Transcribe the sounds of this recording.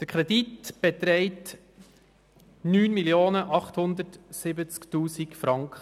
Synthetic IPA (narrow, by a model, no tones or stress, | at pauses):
d̥əɾkʰɾɛditb̥etɾɛɪt | nyːnmiljoːnəʔɑχthʊnd̪ətsɪbət͡sktuːsikfɾɑŋkχə